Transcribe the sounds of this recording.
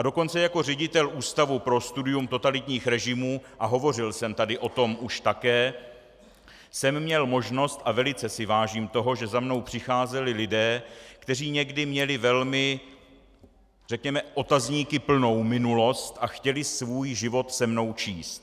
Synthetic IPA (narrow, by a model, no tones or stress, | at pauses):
ʔado̞ko̞nt͡sɛjako̞r̝ɛɟɪt̪ɛlʔuːst̪avupɾo̞st̪udɪjumt̪o̞t̪alɪt̪ɲiːxɾɛʒɪmuːʔaɦo̞vo̞rɪlsɛmt̪adɪʔo̞t̪o̞mʔuʃt̪akɛː | sɛmːɲɛlmo̞ʒno̞st̪ʔavɛlɪt͡sɛsɪvaːʒiːmt̪o̞ɦo̞ʒɛzamno̞wpr̝̥ɪxaːzɛlɪlɪdɛːkt̪ɛr̝iːɲɛɡdɪmɲɛlɪvɛlmɪ | r̥ɛkɲɛmɛʔo̞t̪azɲiːkɪpl̩no̞wmɪnulo̞st̪ʔaxcɛlɪsvuːjʒɪvo̞t̪sɛmno̞wt͡ʃiːst̪̚